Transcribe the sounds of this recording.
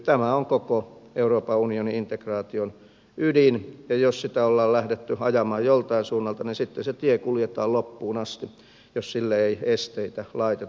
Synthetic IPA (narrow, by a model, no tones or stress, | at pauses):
t̪æmæoŋkokoeuroːpɑunioniint̪ekrɑːt̪ion | ydinjɑjossit̪æolːɑːllæhdet̪ːyɑjɑmɑːjjolt̪ɑinsuːnːɑlt̪ɑninsit̪ːeset̪iekuljet̪ɑːllopːuːnɑst̪i | jossilːæeiest̪eit̪ælɑit̪et